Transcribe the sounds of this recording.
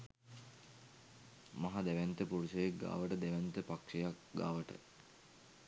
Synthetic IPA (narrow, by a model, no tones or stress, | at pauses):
mɐɦad̪æʋænt̪əpuɾusəjek̚ɡa̰ːʋəʈəd̪æʋænt̪əpakʂejak̚ɡa̰ːʋəʈə̰